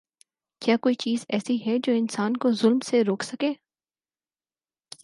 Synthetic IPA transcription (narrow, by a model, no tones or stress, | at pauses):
kjaːkoːit͡ʃiːzɛːsiɦɛd͡ʒoːɪnsaːnkozʊlmseɾoːkʰsɐkeː